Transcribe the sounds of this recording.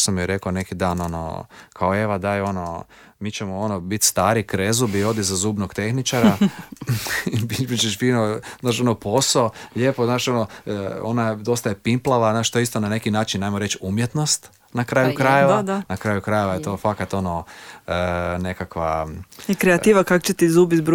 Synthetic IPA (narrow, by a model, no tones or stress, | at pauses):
samjeɾe̞kone̞kid̪aːno̞no̰kʰaoe̞ʋad̪ajo̞no | miːt͡ɕemoo̞nobit̪st̪aːɾikɾezubio̞d̪izazuːbnoɡ̥t̪e̞xnit͡ʃaɾa | bibit͡ʃeʃfiːnoznaːʃonopo̞soʎepoznaːʃo̞noonaed̪o̞st̪ajepimplˠaʋaznaːʃt̪oist̪onane̞kinaːt͡ʃinːajmoɾe̞t͡ʃumjet̪no̞st̪ | nakɾaːjukɾajeʋanakɾaːjukɾajeʋajet̪o̞ːfakat̪o̞noəne̞kakʋakɾeat̪iːʋakako̥t͡ʃet̪izuːbit̪b